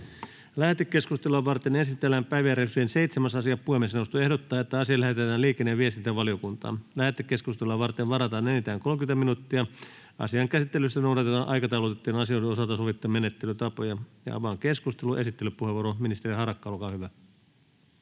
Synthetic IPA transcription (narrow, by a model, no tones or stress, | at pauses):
læhet̪ːekːe̞skust̪eluɑʋɑrt̪enesit̪ːelːæːmpæiʋiæɾesyenseit̪semæsɑsiɑppuhemːesneust̪oe̞hdot̪ːɑːet̪ːæɑsiɑlæhet̪et̪æːliːkˑenːeːʋiest̪int̪æʋɑliokunt̪ɑ̰ːlæhet̪ːekːeskust̪eluɑʋɑrt̪eʋʋɑɾɑt̪ɑːnenit̪æːŋkolkynt̪æminut̪ːiɑ | ɑ̰siɑŋkæsit̪ːelyst̪ænowɾɑt̪et̪ɑːnʔɑikɑt̪ɑulot̪et̪ːiːnɑsioideosɑlt̪ɑsoʋit̪ːɑmenet̪ːelyt̪ɑpojɑjɑ̰ɑ̰ʋɑːŋkeskust̪eluʔesit̪ːelyppuheʋoɾominist̪eɾihɑrɑkːɑolkɑːhyʋæ